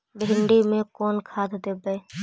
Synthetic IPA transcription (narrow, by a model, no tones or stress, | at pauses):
bʱɪɳɖimẽkɔːnkʰaːt̪d̪eːbə